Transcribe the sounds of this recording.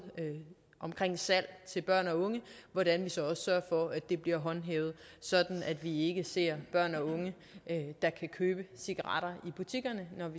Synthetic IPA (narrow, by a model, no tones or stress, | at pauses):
ʔɒ̽mkʰʁeŋ̰sæl̰t͡sʰe̝lb̥ɶɐ̰nɒ̽ɔ̽ŋəʋɒɾænʋisɒ̽ɒ̽ssɶɐfɒ̽æd̥e̝b̥liɐɦɒ̽nɦeːʊð̞̩ˠsɒ̽d̥n̩æd̥ʋie̝ɡ̥əse̝ɐ̰b̥ɶɐ̰nɒ̽ɔ̽ŋə | d̥ɑ̈kʰækʰøːb̥əsiɡ̥ɐʁɑ̰̈ɾ̥ɐib̥ut͡sʰiɡ̥ɐnənɒ